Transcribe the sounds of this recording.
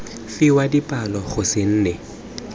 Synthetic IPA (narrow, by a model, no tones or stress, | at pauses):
fɪwadipʼalɔχʊsɪn̩ːne